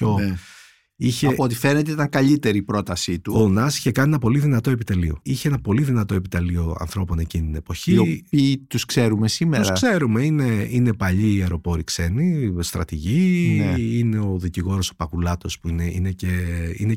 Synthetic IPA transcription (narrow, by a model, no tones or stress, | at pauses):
coe | içeɐpot̪i̥fe̞net̪eit̪ɐŋkɐʎit̪eɾiːpɾo̞t̪ɐsit̪uonɐsi̥çe̞kɐnienɐpo̞liðinɐt̪o̞epit̪elio̞̰içeenɐpo̞liðinɐt̪o̞e̞pit̪ɐlio̞ɐ̰nθɾo̞po̞ne̞cinit̪ine̞po̞çiopiːt̪uskse̞ɾumesimeoɾsɐkse̞ɾume̞ine̞ine̞pɐʎiːeɾo̞po̞ɾikse̞nist̪ɾɐ̰t̪iʝi | ine̞o̞ðiciɣo̞ɾo̞so̥pɐkulɐt̪o̞spuineine̞ce̞ḭne